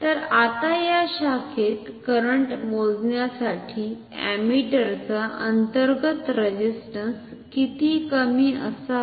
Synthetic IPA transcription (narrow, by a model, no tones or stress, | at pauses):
t̪əɾat̪ajaɕakʰet̪kəɾəɳʈmod͡znjasaʈʰiː | æ̰miʈəɾt͡saʔənt̪əɾɡət̪ɾəd͡ʑisʈəns | kit̪iːkəmiːə̰sa